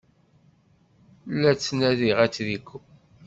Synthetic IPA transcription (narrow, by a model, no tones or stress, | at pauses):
lːæt͡sːnæðiʁæt͡sːðikː